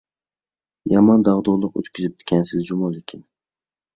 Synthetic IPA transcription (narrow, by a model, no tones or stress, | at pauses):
jɑmɒnd̪ɑʁd̪ɒlˠɨqɵ̰t̪kʲʰɪzɪp̚t̪kʲansɪzd͡ʒʊmɑlˠɪkʲʰɪn